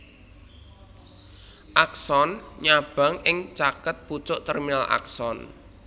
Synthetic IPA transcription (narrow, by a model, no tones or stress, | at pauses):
ʔaksɔnɲab̥a̤ŋɪŋt͡ʃakət̪̚put͡ʃʊʔt̪ɛrminalʔa̰ksɔn